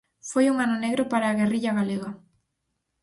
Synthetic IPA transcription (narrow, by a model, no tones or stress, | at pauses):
fojuŋanoneɣɾopaɾaːɣeriʎɐɣaleɣɐ